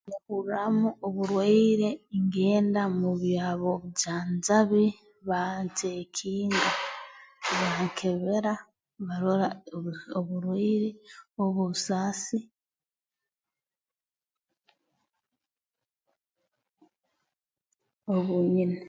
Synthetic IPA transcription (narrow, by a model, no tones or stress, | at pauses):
nukuɾɾamuoβuɾweːɾeiŋɡe̞ːndamuβiaβo̞βjaːnzaβi | βantekʰiːnɡa | βaŋkʰe̞βeɾa | βaɾoɾaoβuɾweɾeoβusasi | oβuɲine